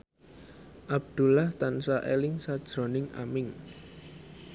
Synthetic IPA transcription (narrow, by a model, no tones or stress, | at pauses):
ʔab̚d̪̥ṳlaht̪ansaʔelɪŋsad̥ʒ̥ɾo̤nɪŋa̰mɪŋ